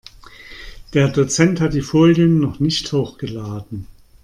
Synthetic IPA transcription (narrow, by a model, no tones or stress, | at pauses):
d̥eːɐdot͡sɛnthat̚d̥iːfoːljənːɔχnɪçthoːxɡ̥əlaːdn̩